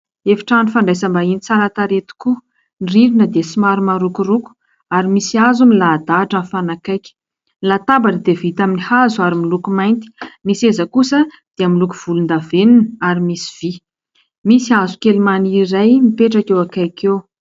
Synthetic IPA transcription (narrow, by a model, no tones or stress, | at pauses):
efi̥ʈ͡ʂanifaɳɖ͡ʐajsəmbainit͡saɾat̪aɾet̪u̥ku | nriɾinəd̪esimaɾumaɾukuruku̥ | aɾimisazumilaːd̪aʈ͡ʂənfanakajkʲə̥ | lat̪abaʈ͡ʂəd̪evit̪aminihazuaɾimilukumajnt̪i̥misezəkusə | d̪̥eamilukuv̥ulund̪avenunəaɾimisi̥v̥i | misiazukelimaniɾajmipeʈ͡ʂakewakajkew